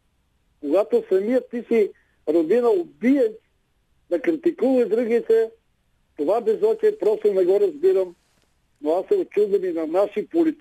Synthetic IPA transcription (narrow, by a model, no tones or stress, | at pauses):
koɡat̪osɐmijət̪isi | ɾod̪inɐobiɛʃ | d̪ɐkɾit̪ikuvɐid̪ɾuɡit̪ɛ | t̪ovabɛzɔt͡ʃɛpɾɔst̪onɛɡɔɾɐzbiɾəm | noasːɛot͡ʃuzd̪ɐminɐnaʃipolit̪